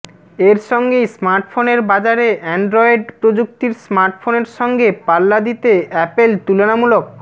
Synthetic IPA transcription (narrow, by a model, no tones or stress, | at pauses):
eɾʃɔŋɡejsmaɾʈfoneɾbad͡ʑaɾeʔɛɳɖɾɔjɖpɾod͡ʑuk̚t̪iɾsmaɾʈfʰoneɾʃɔŋɡepalːad̪it̪eɛpelt̪ulenamulok̚